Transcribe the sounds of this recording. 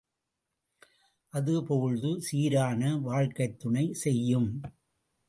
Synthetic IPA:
ʔɐðɯpoːɯɻðɯsiːɾaːnɐʋaːɻkɐɪt̪ːʊɳɐɪsɛjːɯm

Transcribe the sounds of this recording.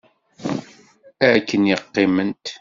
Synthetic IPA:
ækːənjɪqːɪmənt̪

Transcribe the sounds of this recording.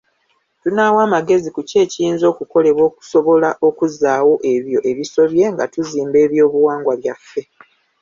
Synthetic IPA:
tunaːwaːmaɡe̞zikuce̞ːcijiːnzo̞ːkuko̞le̞βwo̞ːku̥so̞βo̞laʔo̞kuzaːwo̞ʔe̞βjo̞ʔe̞βiso̞βje̞ŋɡatuziːmbe̞ːβjo̞ːβuwaːŋɡwaβjafːe̞

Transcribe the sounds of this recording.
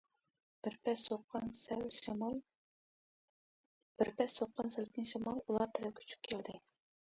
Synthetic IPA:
b̥ɪɾpɛsoqɑnsɛlʃmlˠ | b̥ɪɾpʰɛsoqʰːɑnsælt̪ʰʲɪnʃɑmɑlˠulˠɑɾt̪ʰɪɾɛkʲʰy̥t͡ʃʰy̥p̚ʲkʲʰeld̪ɪ

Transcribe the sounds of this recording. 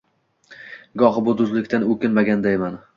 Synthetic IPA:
ɡɒɦɪbʊd̪ʊzlɪkʲt̪anɵkʲɪnmaɡʲand̪ajman

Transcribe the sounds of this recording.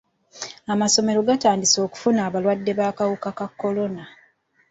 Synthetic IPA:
amaso̞me̞ɾo̞ɡataːndiso̞ːku̥funaːβalwadːe̞βaːkawukakakːo̞lo̞na

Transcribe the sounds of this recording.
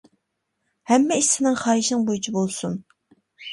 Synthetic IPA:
hɛmːɛiʃsɪnɪŋχɑːɦiʃnɪŋbojut͡ʃʰibolˠsun

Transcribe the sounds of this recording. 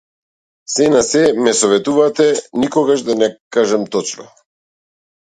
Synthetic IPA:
sɛnasɛmɛsɔvɛt̪uvat̪ɛnikɔɡaʃd̪anɛkaʒamt̪ɔt͡ʃnɔ̰

